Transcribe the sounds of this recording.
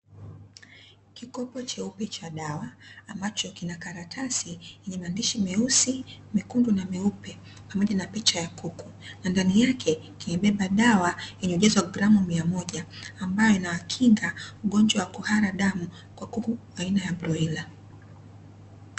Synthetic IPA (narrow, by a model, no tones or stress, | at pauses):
kikɔpɔt͡ʃɛupɛt͡ʃaɗawaːmbat͡ʃɔkinakaɾatʰasijɛɲɛmandiʃimɛusimikundunamɛupɛ | pamɔʄanapɛt͡ʃajakuku | nandanijakʰɛkimɛɓɛɓaɗawajɛɲɛuʄɛziwaɡɾamumiamɔʄaːmbajɔinawakʰiŋɡauɠɔɲd͡ʒwawakuhaɾaɗamu | kwakuku | ainajabɾɔila